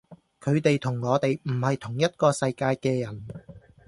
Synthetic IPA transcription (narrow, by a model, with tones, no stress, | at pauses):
kʰɵ˨˧ɥt̪e˨jt̪ʰʊ˨˩ŋŋɔː˨˧t̪e˨jm̩˨˩hɐ˨jt̪ʰʊ˨˩ŋjɐ˥t̚kɔː˧sɐ˧jkaː˧jkɛː˧jɐ˨˩n